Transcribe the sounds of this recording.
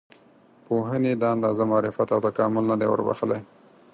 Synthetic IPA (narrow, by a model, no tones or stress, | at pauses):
poɦəned̪əand̪ɑzamɑɾɪfat̪awt̪akɑmɪlnad̪ewə̰ɾba̰xəlaj